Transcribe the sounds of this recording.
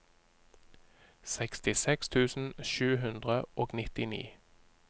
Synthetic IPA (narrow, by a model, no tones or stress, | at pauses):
sɛkst̪ɪsɛkst̪ʰʉːsn̩ʃʉːhʉnd̪ʁəʔoːɡnɪt̪ɪnḭː